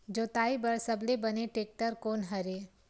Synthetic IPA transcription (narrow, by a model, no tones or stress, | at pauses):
d͡ʒoːt̪aːibɐɾsɐblebɐneʈeːk̚ʈəɾkoːnɦɐɾe